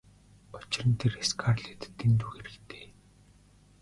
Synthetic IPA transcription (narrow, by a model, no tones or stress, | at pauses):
ɔt͡ɕɪ̆rə̆nt̪ʰereskʰaːrɮeːt̪ːent̪uːxeɾɘ̆kt̪ʰe̥ː